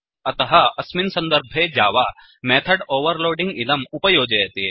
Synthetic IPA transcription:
ɐt̪ɐɦɐɐsmɪnsɐ̃nd̪əɾbʱed͡ʒaːʋa | mɛːt̪ʰəɖoːʋəɾloːɖɪ̃ŋɡɪlɐmʊpɐjoːd͡ʒɐɐt̪eeː

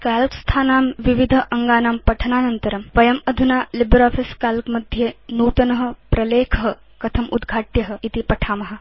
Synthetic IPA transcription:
kaːlɐt̪st̪ʰaːnaːmʋiʋid̪ʱəʔɐŋɡaːnaːmpɐʈʰɐnaːnɐnt̪ɐɾɐmʋɐjɐmɐd̪ʱunaːlibɾaːpʰiskaːlkmɐd̪ʱjenuːt̪ɐnɐɦɐ̆pɾɐleːkʰɐɦɐ | kɐt̪ʰɐmʔṵd̪ɡʱaːʈjɐɦɐ̆it̪ipɐʈʰaːmɐɦɐ̆

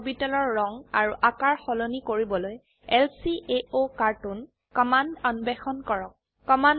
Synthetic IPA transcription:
bitɔlɔɹːɔŋaɹuʔakaɹxɔlonikoɹibɔloj | ɛlsiʔeokaɹtun | kɔmandɔnbɛxɔnkɔɹɔk̚ːɔman

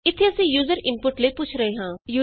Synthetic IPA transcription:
ɪt̪ʰːeəsĩːjuːzəɾɪmpʊʈləipʊt͡ʃʰɾəeːɦãːjuː

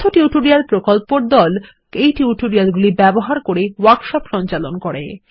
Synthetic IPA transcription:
t̪ʰoʈiuʈoɾialpɾokolpoɾd̪ɔl | ejʈiuʈoɾialɡulibɛboɦaɾkoɾewaɾʈʃɔpʃɔnt͡ɕalonkoɾḛ

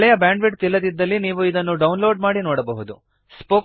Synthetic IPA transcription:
ɭɛjɐbaːɳɖʋiʈ̚t̪ilːɐd̪id̪ːɐlːiniːʋuid̪ɐnːuɖɐwnloːɖmaːɽinoːɽɐbɐɦud̪u | spoː

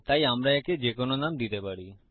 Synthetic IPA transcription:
t̪ajamɾaɛked͡ʑekononamd̪it̪epaɾi

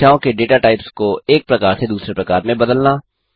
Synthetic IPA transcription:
aːõkeɖeːʈaʈaːɪpskoeːk̚pɾɐkaːɾsed̪uːsɾepɾɐkaːɾmẽbɐd̪əlnaː

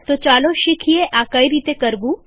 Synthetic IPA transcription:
t̪ot͡ʃaːloʃikʰijeʔakɐiɾiːt̪ekəɾbuː

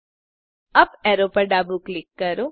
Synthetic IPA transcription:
ɐbɛːɾoːpɐɾɖaːbuːklɪkːɐɾoː

